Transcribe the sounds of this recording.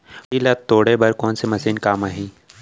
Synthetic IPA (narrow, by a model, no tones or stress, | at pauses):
ilɐt̪ːoːɽebɐɾkɔːnsemɐsiːnkaːmaɦĩː